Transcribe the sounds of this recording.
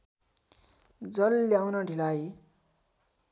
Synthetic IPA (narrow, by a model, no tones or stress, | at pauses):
d͡zʌlːjawnʌɖʱilaj